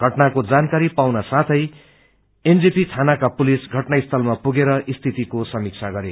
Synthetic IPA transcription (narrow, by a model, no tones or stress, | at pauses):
ɡʱʌʈnakod͡zankaɾipawnasat̪ʰʌj | end͡zipit̪ʰanakapulisɡʱʌʈnaist̪ʰʌlmapuɡeɾʌʔist̪ʰit̪ikosʌmik̚t͡sʰaɡʌɾe